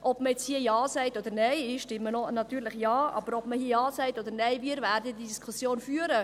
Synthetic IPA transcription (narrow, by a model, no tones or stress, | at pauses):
ʔɔb̥məjɛt͡shiəjɑːsɛɪtɔd̥̪əɾnɛɪɪʃtɪmːənonɑt̪yːɾlɪχjɑːɑ̰b̥əɾɔb̥məhiəjɑːsɛɪtɔd̪əɾnɛɪviːɾvæːɾd̪əd̪id̪iskʰusjoːnfyːəɾə